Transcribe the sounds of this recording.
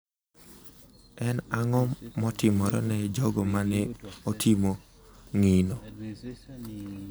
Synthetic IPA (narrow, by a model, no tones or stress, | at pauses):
ɛnaŋɔmːɔtɪmɔɾɔ̰nɛd͡ʒɔɡɔmanɛotʰimo | ŋino